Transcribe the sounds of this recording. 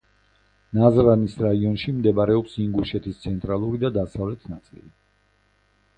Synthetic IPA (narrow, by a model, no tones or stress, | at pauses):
nazɾanisɾaiɔnʃimd̪ɛbaɾɛɔpsiŋɡuʃɛt̪ʰist̪sʰɛnt̪ʼɾalˠuɾid̪ad̪asavlɛt̪ʰnat̪sʼḭli